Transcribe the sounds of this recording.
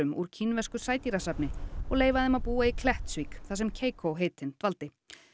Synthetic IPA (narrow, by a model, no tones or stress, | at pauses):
ʏmṵɾ̥cʰinvɛ̥skʏ̥saːjt̪iɾasapnɪɔɣleːjvaðɪmaðpuːaikʰlɛht̪svikθas̬ɛmcʰeːjkʰowɦeːjt̪ʰɪnt̪valt̪ɪ